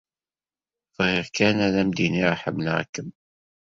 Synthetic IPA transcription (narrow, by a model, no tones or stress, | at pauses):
fʁiʁkænæðæmd̪iniɾˤħəmnʕ̰kːəm